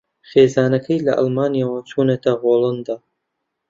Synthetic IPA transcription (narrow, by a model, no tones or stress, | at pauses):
χeːzaːnɐkʰɐjlɐ̰ʔɑ̰lˠmaːnijaːwɐt͡ʃʰuːnɐt̪ɐɣoːlˠand̪aː